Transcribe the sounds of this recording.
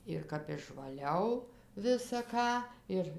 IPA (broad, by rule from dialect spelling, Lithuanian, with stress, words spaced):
ɪr kɐp ɪʃʋɐˈlʲɛʊ ʋʲɪsɐ ˈkɑː ɪr